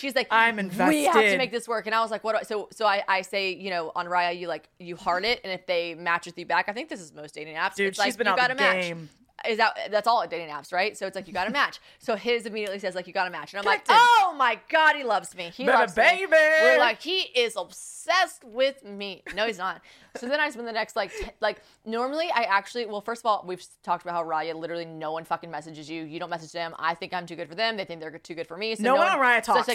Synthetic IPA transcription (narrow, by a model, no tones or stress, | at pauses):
ʃizlaɪkãɪ̃mɨ̃ɱvɛwsihtɨmeɪk̚ðɪswɜ˞kɨ̃ñaɪwʌzlaɪkwʌɾsoʊsoʊaɪʔaɪseɪjɨñoʊʔə̃nɹaɪɨjɨlaɪkjɨhɑɹɾɪɾɨ̃nɨfðeɪmæt͡ʃɨðjɨbækaɪθɪ̃ŋk̚ðɪsɨzmoʊsd̥eɪɾɪ̃næpsɨslaɪzbɨ̃ɨɡɑɾɨmæɪt͡ʃm | ɪzðɨðætsɔlˠədeɪɾĩŋæ̰psɹaɪtsoʊɨtslaɪkjɨɡɑɾɨmæt͡ʃ | soʊɪzɨmiɾiɨtˡlisɛzlaɪkjɨɡɑɾɨmæt͡ʃnaɪ̃mlaɪk̚oʊmaɪɡ̥ɑd̚hilʌvzmiiɾɨbeɪbiwəlaɪkhiʔɪzəb̥sɛst̚wɪðminoʊiznət̚ | soʊðɨ̃ɾ̃aɪd͡ʒʌs̬wɛ̃nðɨnɛkst̚ˡlaɪk̚tʰlaɪk̚ | nɔɹml̩ˠiʔaɪʔæk̚t͡ʃʉl̩ˠiwɛlˠfɜ˞stʌvɔlˠwiv̥tʰɔk̚t̚əbaʊthaʊɹɑjɨlɪɾə˞l̩ˠinoʊwʌ̃nfʌkɪ̃ŋmɛsɨd͡ʒɨzjʉjɨdɾõnmɛs̬ɨd͡ʒðɨ̃ma̰ɪθɪ̃ŋkãɪ̃mtʰʉɡʊd̥fə˞ðɨ̃mðeɪθɪ̃ŋk̚ðə˞tʰʉɡʊd̥fə˞misonoʊwʌ̃nãɪ̃mɹaɪɨtʰɔ